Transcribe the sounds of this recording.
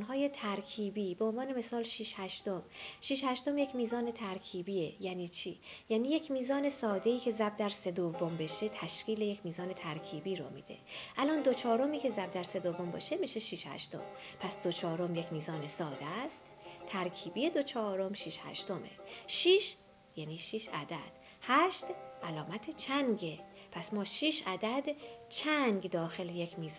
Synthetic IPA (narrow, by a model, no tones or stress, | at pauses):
nɦɒːje̞t̪ʰæɾkʰiːbiːbeonvɒːne̞me̞sɒːlʃiːʃhæʃt̪o̞mʃiːʃhæʃt̪o̞mjecmiːzɒːne̞t̪ʰæɾcʰiːbiːejæniːt͡ʃʰiːjæːniːje̞cʰmiːzɒːne̞sɒːd̪e̞iːcʰe̞zæb̚d̪æɾse̞d̪ovːombe̞ʃe̞t̪ʰæʃɡ̥iːle̞jecʰmiːzɒːne̞t̪ʰæɾcʰiːbiːɾo̰mḭːd̪ḛʔælɒːnd̪o̞t͡ʃʰɒːɾo̞miːcʰe̞zæb̚d̪æɾse̞d̪o̞vːo̞mbɒ̰ːʃe̞miːʃeʃiːʃhæ̰ʃt̪o̞̰mpʰæsd̪̥o̞t͡ʃʰɒːɾo̞mje̞cʰmiːzɒːne̞sɒːd̪æst̪ | t̪ʰæɾcʰiːbiːje̞d̪ot͡ʃʰɒːɾo̞mʃiʃhæ̰ʃt̪o̞me̞̰ʃiːʃ | jæːniːʃiːʃæ̰d̪æd̪̥ | hæʃt̪ʔælɒːmæt̪ʰet͡ʃʰæŋɟepʰæsmɒːʃiːʃʔæd̪æd̪t͡ʃʰæŋɡd̪ɒːxe̞lejecʰmiːz